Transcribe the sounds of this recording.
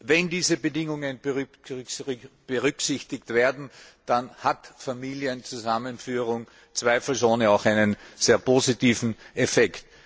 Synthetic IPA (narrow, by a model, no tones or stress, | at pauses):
vɛndiːzəbədɪŋʊŋənb | b̥əʁʏksɪçtɪktv̥eːɐdn̩d̥anhatfamiːljənt͡suzamənfyːʁʊŋ | t͡sv̥æɪfl̩soːnəaʊxæɪnənz̥eːɐpʰoːzitiːfn̩ʔɛfɛkt